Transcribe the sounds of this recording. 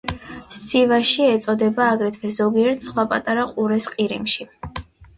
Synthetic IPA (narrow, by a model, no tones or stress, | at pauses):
sivaʃiɛt̪sʼɔd̪ɛbaːɡɾɛt̪ʰvɛzɔɡiɛɾt̪ʰsχwapʼat̪ʼaɾaqʼuɾɛsqʼiɾimʃi